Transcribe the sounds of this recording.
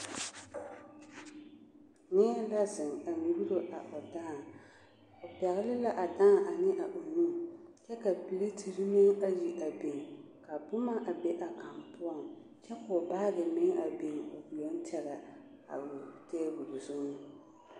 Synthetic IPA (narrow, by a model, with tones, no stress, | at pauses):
nɪ˦la˦zɪ˨ŋa˨ŋi˨bi˦ɾo˦ʔa˨ʔʊ˨daː˦˨ | ʊ˨pɛ˨ɣɪ˦lɪ˦la˦ʔa˨daː˦˨ʔa˨nɪ˦ʔa˨ʔo˨nu˦˨t͡ʃɛ˦ka˨pi˨le˦tʰi˨ɾɨ˦mɪ˦ŋa˦ji˨ʔa˨bi˨ŋ˨ | ka˨bʊ˦ma˦ʔa˨bɛ˦ʔa˨ka˨mpʊ˦ɔ˦˨ŋt͡ʃɛ˦kʊ˨baː˦ɡɨ˨mɪ˦ŋa˨bi˨ŋo˨bu˨lo˦n˦tɛ˦ɾa˨ | a̰˨tɛː˦ɡu˨lzʊ˦ŋ˦